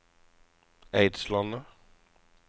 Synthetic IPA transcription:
eɪd̪slɑnə

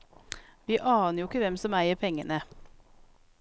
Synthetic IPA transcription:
ʋiːʔɑːnəjʊɪkəʋɛmsɔmæɪəpʰɛŋənə

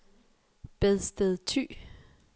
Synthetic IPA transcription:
b̥eðˠsd̥eðˠt͡sʰy̰ː

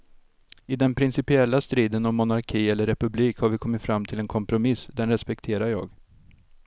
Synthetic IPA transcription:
ɪd̪ɛnpʰɾɪnsɪpɪɛlːast̪ɾiːd̪ənɔmːʊnaɾkʰiːɛlːəɾːɛpɵbliːkhaɾvɪkʰɔmːɪt̪fɾamːt̪ʰɪlɛnkʰɔmpɾʊmɪsːd̪ɛnɾɛspɛk̚t̪ʰeːɾaɾjɑːɡ

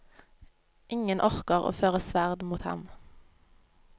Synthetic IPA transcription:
ʔɪŋənʔɔʁkəʁo̰ːføːʁəsʋæʁd̪muːt̪hɑ̰m

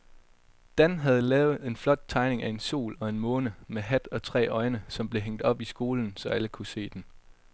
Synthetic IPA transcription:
d̥ænɦæð̞ˠlɛːʊð̩ˠe̝nflɒ̽d̥̚t͡sʰɑ̈ɪne̝ŋæe̝nso̝̰ːlɒ̽e̝nmɔ̽ːnəmeɦæd̥ɒ̽t͡sʰʁɛ̰ːɒ̽ɪnəsɒ̽mb̥le̝ɦeŋ̰d̥ɒ̽b̥isɡ̥o̝ːln̩sɒ̽æləkʰuse̝̰ːd̥en

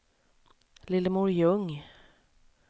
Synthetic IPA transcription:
lɪlːəmuːɾjɵŋ

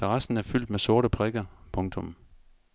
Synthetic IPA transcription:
ʁasn̩æɐfyl̰d̥mesɔ̝ɐɾəpʰʁɛɡ̥ɐpʰɔ̽ŋt͡sʰɔ̽m

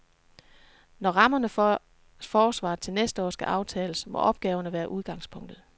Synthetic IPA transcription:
nɒʁɑ̈mɐnə | fɒːsʋɑ̰̈ːð̩ˠt͡sʰe̝lnesd̥əɒ̰ːsɡ̥æʔɑ̈ʊt͡sʰɛ̰ːləsmɒ̽ʔɒ̽b̥ɡ̥ɛːʊɐnəʋæːɐʔuð̞ˠɡ̥ɑ̈ŋspʰɔ̽ŋ̰d̥ð̩ˠ

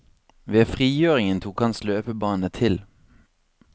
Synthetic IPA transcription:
ʋeːfʁiːjøːʁɪŋənt̪ʰuːkhɑnsløːpəbɑːnət̪ʰɪl

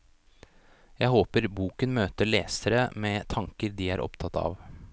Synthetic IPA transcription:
jæɪhoːpəɾbuːkənmøːt̪əɭeːsəɾəmɛːt̪ʰɑŋkəɾd̪iːæɾʔɔ̰pt̪ʰɑt̪ːɑ̰ʋ

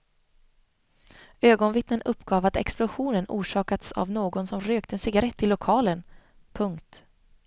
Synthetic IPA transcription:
øːɡɔnvɪt̪nənɵpːɡɑːvat̪ɛ̰ksplʊɧuːnənṵːʂɑːkat̪sa̰vnoːɡɔnsɔmɾøːkt̪əɛnsɪɡaɾɛt̪ʰːɪlːʊkʰɑːlən | pʰɵŋkt̪

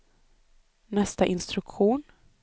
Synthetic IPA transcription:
nɛst̪aʔɪnst̪ɾɵkɧuːn

